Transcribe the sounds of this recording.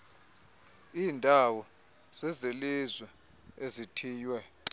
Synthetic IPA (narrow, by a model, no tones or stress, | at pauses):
iːndʱawɔ | z̥ɛzelizwɛ | ezitʰiːjwɛ